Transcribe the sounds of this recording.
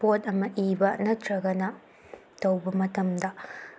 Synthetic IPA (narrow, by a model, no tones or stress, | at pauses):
pot̪ɐmːɐʔiːbɐʔnɐtɾɐɡɐnɐ | t̪ɐwbɐmɐt̪ɐmd̪ɐ